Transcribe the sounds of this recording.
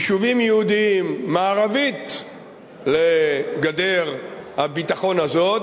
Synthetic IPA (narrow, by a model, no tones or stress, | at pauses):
ʃuvimjeud̪iimːaːʁavit̪ | leɡade̞ʁhabit̪aχo̞nazot